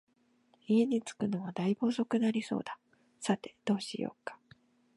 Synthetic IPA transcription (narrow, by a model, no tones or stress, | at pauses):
ie̞ɲ̟it͡sɨ̥kɯ̟no̞ɡad̪aibo̞ːso̞kɯ̟naɾʲiso̞̰ːd̪a | sat̪e̞d̪̥o̞ːɕḭjo̰ːkḁ